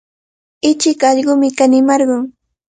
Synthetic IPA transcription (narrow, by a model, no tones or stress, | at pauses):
ɪt͡ʃɪkɑʎɢʊmɪkanɪmɑɾɢʊŋ